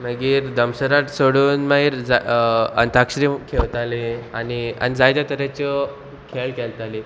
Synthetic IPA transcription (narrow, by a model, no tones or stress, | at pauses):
məɡiːɾd̪əmsəɾat̪soɽuːnməɦiːɾd͡zaə̰nt̪akɕɾiːkʰeʋt̪aleania̰nid͡zajt̪jat̪əɾat͡ɕə | kʰeɭkʰelt̪ali